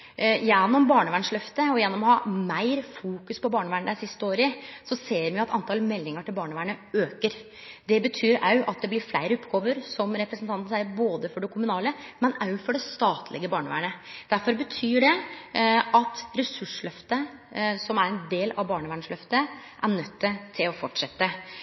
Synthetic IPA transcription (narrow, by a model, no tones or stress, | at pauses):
jɛnːɔmbɑːɳəʋæːɳʂɭœft̪əɔjɛnːɔmɔhɑːmæɪɾfuːkʉspɔbɑːɳəʋæːɳəd̪æsɪst̪əoːɾɪsɔseːɾʋɪɑɛt̪ɑnt̪ʰɑlmɛlːɪŋəʈɪlbɑːɳəʋæːɳəøːkəɾ | d̪ɛbət̪ʰyːɾɑʉʔɑt̪̚d̪ɛblɪɾflæɪɾəʊpːɡoːʋəɾsɔmɾɛpɾəsn̩t̪ɑnt̪n̩sæɪɾboːd̪əfɔɖɛkʰʊmʉnɑːləmɛnɑʉfɔɖɛst̪ɑːt̪ʰlɪ̰ɡəbɑːɳəʋæ̰ːɳəd̪̥æɾfɔɾbət̪ʰyːɖɛ | ʔɑt̪ɾɛsʉʂɭœft̪əsɔmæɾɛnd̪eːlɑʋbɑːɳəʋæːɳʂlœft̪əʔæɳœt̪ʰːət̪ʰɪlɔfɔʈʂɛt̪ːə